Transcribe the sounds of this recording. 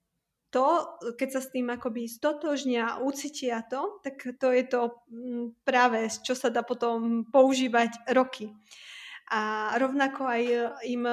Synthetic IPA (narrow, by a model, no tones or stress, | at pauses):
t̪ɔkɛcsast̪iːmakɔbist̪ɔt̪ɔʒɲɪaʔut͡siːcɪat̪ɔt̪akt̪ɔjɛt̪ɔ | pɾaːʋɛst͡ʃɔsad̪aːpɔt̪ɔmpɔuʒiːʋacɾɔkʰi | ʔaɾɔʊnakɔajim